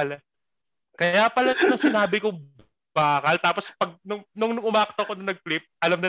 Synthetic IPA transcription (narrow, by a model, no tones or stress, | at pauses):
l | kɐjaːpɐlɐsɐnɐŋsɪnaːbɪko | b̥aːkɐlt̪aːpospɐɡ̚nʊŋnʊŋnʊŋʊmaːʔɐk̚t̪okonɐnɐɡ̚plɪp̚ʔɐlɐmnɪ